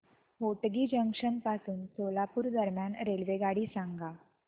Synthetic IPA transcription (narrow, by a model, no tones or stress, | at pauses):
ɦoʈɡiːd͡ʑəŋkʂənpasuːnsolapuːɾd̪əɾmjanɾelʋeɡaɽiːsãŋɡa